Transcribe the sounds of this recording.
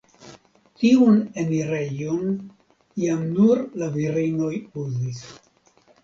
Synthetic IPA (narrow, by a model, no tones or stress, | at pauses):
tiune̞miɾe̞jon | jamnuɾlaviɾino̞juzis